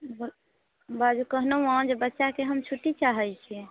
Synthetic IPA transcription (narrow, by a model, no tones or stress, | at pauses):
b | bad͡ʒukəɦnowad͡ʒebətːʃakeɦəmt͡ʃʰuʈit͡ʃaɦɛlt͡ʃʰi